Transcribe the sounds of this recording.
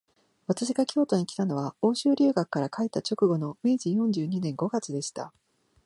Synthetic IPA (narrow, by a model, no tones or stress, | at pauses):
βat̪aɕiɡakʲʰo̞ːt̪o̞ɲ̟ikʲi̥t̪ano̞βao̞ːɕɨːɾʲɨːɡakːaɾakait̪ːat͡ɕo̞kɯ̟ɡo̞no̞mẽʑijõ̞ɲ̟d͡ʑɨːɲ̟inẽ̞ŋɡo̞ɡat͡sɨd̪e̞ɕi̥t̪a